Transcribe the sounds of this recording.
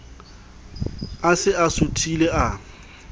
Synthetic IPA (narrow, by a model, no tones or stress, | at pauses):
asɪasʊtʰʼileʔa